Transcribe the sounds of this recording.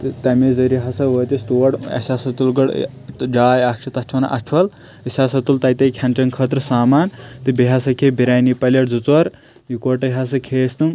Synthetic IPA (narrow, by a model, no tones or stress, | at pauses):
t̪ɨt̪ɐmizɐɾiɦɐsɐʋɐt̪ist̪uɐɽɐ̰sʲaːsɐt̪ulɡɐɽ̰ | d͡ʒaːjɐkt͡ʃʰit̪ɐʈʰɐnɐ̰ʔɐʈʰʋɐl | ɐsʲaːsɐt̪ult̪ɐjt̪ɐkʰɐnt͡ʃɐnkʰət̪ɾɨsaːmaːnt̪ɨbiɦɐsɐkʰebiɾaːjnipɐlʲɐʈd͡zut͡sʋɐɾ | jukoʈɐɦɐs̬ɐkʰeːst̪ɨm